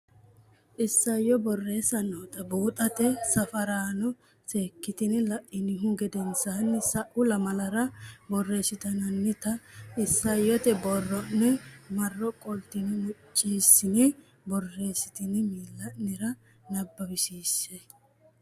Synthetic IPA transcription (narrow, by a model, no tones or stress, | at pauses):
ʔɪsːɐjːɔbɔrːe̞ːsɐnoːt̪ɐbuːt̪ʼɐt̪ɛsɐfɐɾaːnɔ | seːkːɪt̪ɪnɪlɐʔɪnɪɦʊɡɛd̪ɛnsanːɪsɐʔʊlɐmɐlɐɾɐbɔrːe̞ːsɪt̪ɐnɐnːɪt̪ɐɪsːɐjːɔt̪ɛbɔrːɔnːɛmɐrːɔkʼɔlt̪ɪnɪmʊt͡ʃʼːiːsːɪnɪ | bɔrːe̞ːsɪt̪ɪnɪmiːlːɐnɪɾɐ | nɐbːɐbɪʃiːsːe